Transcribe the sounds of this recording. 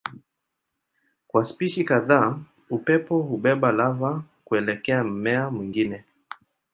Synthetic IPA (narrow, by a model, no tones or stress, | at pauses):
kwaspiʃikaðaːupɛpɔhuɓɛɓalava | kuɛlɛkɛam̩mɛamwiŋɡinɛ